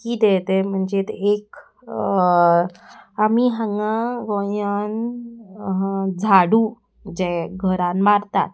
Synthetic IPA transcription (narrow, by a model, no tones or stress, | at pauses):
kiːd̪et̪em̤əɳd͡zet̪ek | amiɦãŋɡãɡojan | ɦd͡zʱaɽu | d͡ʑeɡʱəɾanmaɾt̪a̰t̪̚